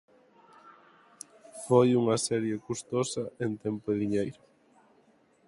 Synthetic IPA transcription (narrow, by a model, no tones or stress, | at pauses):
fojuŋɐsɛɾjekust̪osɐent̪ɛmpoɪðiɲejɾʊ